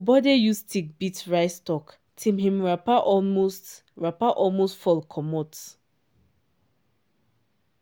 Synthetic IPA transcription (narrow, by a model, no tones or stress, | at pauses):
bɔdejustʰik̚bitɹaɪstɔk | tʰĩmhĩmɹapaʔɔlmost | ɹapaʔɔlmostfɔlkʰɔmɔt